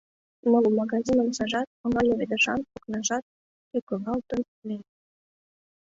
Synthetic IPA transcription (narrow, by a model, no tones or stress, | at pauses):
molmɑɣɑzʲinəmsɑʒɑt̪̚ə̆ŋɡɑlʲoβed̪ə̆ʃɑnpoknɑʒɑt̪̚ | ykə̆ɣɑlt̪ə̆n | me